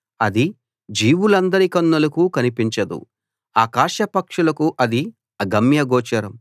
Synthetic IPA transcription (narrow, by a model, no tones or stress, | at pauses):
ɐd̪i | d͡ʒiːwulɐnd̪ɐɾikɐnːɐlɐkukɐnipiɲt͡ʃɐd̪ṵ | aːkaːʃɐpɐkʂulɐkuʔɐd̪i | ɐɡɐmjɐɡɔːt͡ʃɐɾɐm